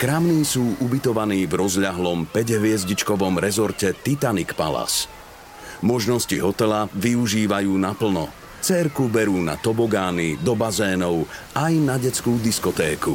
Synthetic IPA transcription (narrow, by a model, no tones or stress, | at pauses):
kɾamniːsuːʔubit̪ɔʋaniːvɾɔzʎaɦlɔmpɛɟɦʋɪɛzɟit͡ʃkɔʋɔmɾɛzɔɾcɛt̪it̪anikpa̰la̰s | mɔʒnɔsciɦɔt̪ɛlaʋiuʒiːʋajuːnapl̩nɔ | t͡sɛɾkubɛɾuːna̰t̪ɔbɔɡaːnid̪ɔbazɛːnɔʊ | ajnaɟɛt͡skuːd̪iskɔt̪ɛːku